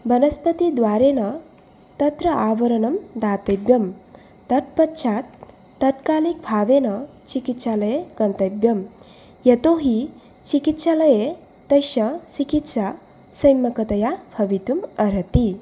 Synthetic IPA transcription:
bɐnɐspət̪id̪waːɾenɐ | t̪ɐt̪ɾɐʔaːʋɐɾɐnɐmd̪aːt̪ɐjbjɐm | t̪ɐt̪̚pɐtːʃʰaːt̪ː | ɐt̪kaːlik̚bʰʱaːʋenɐ | t͡ʃikit̪ʃalɐjeɡɐnt̪ɐjbjɐm | jɐt̪oːɦi | t͡ʃikit̪ʃalɐje | t̪ɐjʃɐsikit̪sa | sɐjmɐkɐt̪ɐjapʰɐʋit̪umɐɾɐt̪i

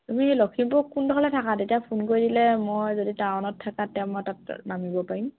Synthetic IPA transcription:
tumixejlokʰimpʊkːundɔkʰalɛtʰakatetijapʰunkoɹidilɛmojzoditaɔnɔtʰːakatɛmɔtat̚namibɔpaɹim

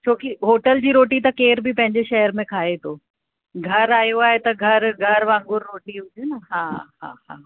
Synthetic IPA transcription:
t͡ɕʰoːkiɦoːʈəld͡ʑiːɾoːʈit̪ɐkeːɾbʱipɐ̃ɦɪ̃ɲd͡ʑeʃɐɦəɾmẽkʰaːet̪ʰoː | ɡʱɐɾaːjoaːɦet̪ɐɡʱɐɾɡʱɐɾʋãːŋɡʊɾːoːʈiɦʊd͡ʑenɐɦãːɦã̰ːɦãː

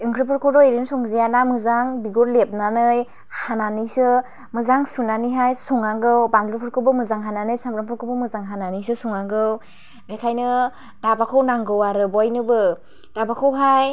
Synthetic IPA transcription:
ɯŋkʰɾɯpʰɯɾkʰɔɾɔiɾinsɔŋzejanamɯzaŋbiɡuɾlep̚nanɯj | hananisɯ | mɯzaŋsunaniɦajsuŋaɡɯwbanlupʰɯɾkʰɯbɯmɯzaŋɦananɯjsamɾampʰɔɾkʰɯbɯmɯzaŋɦananisɯsuŋaɡɯw | bekʰajnɯ | dabakʰɯwnaŋɡɯwaɾɯbɔjnɯbɯ | d̥abakʰɯwɦaj

